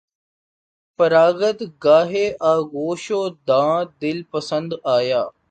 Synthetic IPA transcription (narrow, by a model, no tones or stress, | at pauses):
pəɾaːɡət̪ɡaːɦeʔaːɡoːʃoːd̪ãːd̪ɪlpəsə̃nd̪aːjaː